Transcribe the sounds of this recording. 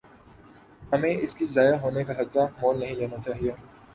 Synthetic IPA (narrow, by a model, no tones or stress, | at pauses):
hɐmẽɪskizaːjaɦoːnekaɦɐd̪zamoːlnɐɦĩleːnat͡ʃaːɦieː